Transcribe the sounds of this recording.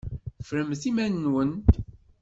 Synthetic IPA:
fɾəmθimænːwən

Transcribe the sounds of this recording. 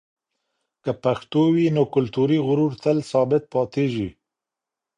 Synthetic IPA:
kəpaxt̪owinokʊlt̪uɾiɣʊɾuɾt̪ʰəlsɑːbɪt̪̚pɑːt̪eʒi

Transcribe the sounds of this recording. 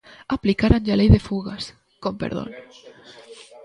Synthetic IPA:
aplikaɾand͡ʒalejðefuɣas | kompḛɾðo̰n

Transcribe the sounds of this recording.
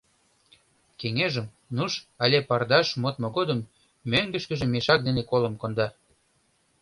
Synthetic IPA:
keŋeʒəm | nuʃɑlʲepɑrd̪ɑʃmot̪moɣod̪ə̆mː | øŋɡə̆ʃkə̆ʒĕmeʃɑk̚d̪enekolə̆mkond̪ɑ

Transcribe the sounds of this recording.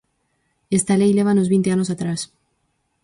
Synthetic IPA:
est̪alejleβ̞anozβĩnt̪eanos̬at̪ɾas

